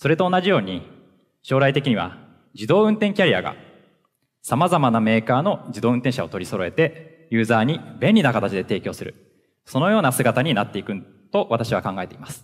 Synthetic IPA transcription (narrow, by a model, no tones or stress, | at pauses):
so̞ɾe̞t̪o̞ːnaʑijo̞ːɲ̟i | ɕo̞ːɾait̪e̞kʲiɲ̟iβa̰ | d͡ʑid̪o̞ːɯ̟̃nt̪ẽ̞ŋkʲaɾʲia̰ɡa̰ | samazamaname̞ːkaːno̞d͡ʑid̪o̞ːɯ̟̃nt̪ẽ̞ɕao̞t̪o̞ɾʲiso̞ɾo̞e̞t̪e̞ | jɯ̟ːzaːɲ̟ibẽ̞nʲinakat̪at͡ɕid̪e̞t̪e̞ːkʲo̞ːsɨɾɯ̟̰ | so̞no̞jo̞ːnasɨɡat̪aɲ̟inat̪ːe̞ikɯ̟ | t̪o̞βat̪aɕiβakãŋɡae̞t̪e̞imasɨ̥